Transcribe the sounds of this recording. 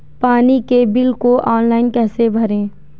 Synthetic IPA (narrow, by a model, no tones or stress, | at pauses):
paːnikebɪlkoʔɔːnlaːɪnkɛːsebʱɐɾẽː